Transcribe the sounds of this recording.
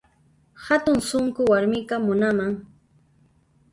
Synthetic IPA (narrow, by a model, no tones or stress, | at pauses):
hat̪ʊŋsʊŋkʊwaɾmɪkamʊnamaŋ